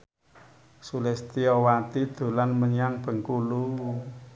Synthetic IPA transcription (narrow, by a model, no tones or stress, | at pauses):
sulɛst̪iɔwat̪id̪̥o̤lanməɲaŋb̥ə̤ŋkulu